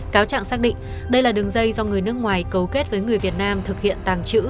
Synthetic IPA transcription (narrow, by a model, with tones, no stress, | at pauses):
kaː˨˦wt͡ɕa̰ː˧˨ŋsaː˦˥k̚ɗḭ̈˧˨ŋ̟ | ɗə˧jlaː˨˩ɗɨ˨˩əŋzə˧jzɔ˧ŋɨ˨˩əjnɨ˦˥ək̚ŋwaː˨˩jkə˨˩wke˦˥t̚vəː˨˦jŋɨ˨˩əjvi˨˩ət̚naː˧mt̪ʰɨ˨˩k̚hḭ˧˨ənt̪aː˨˩ŋt͡ɕɨ̰˧˥